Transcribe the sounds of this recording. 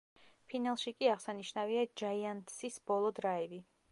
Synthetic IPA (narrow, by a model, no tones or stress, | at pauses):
pʰinalˠʃikʼiaʁsaniʃnaviad͡ʒaiant̪sisbɔlˠɔd̪ɾaivi